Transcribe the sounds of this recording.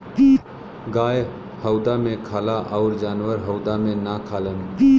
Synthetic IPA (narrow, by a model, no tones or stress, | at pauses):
ɡaːe | həʊd̪amẽkʰaːlaʔɔːɾd͡ʒaːnʋəɾɦəʊd̪amẽnakʰaːlən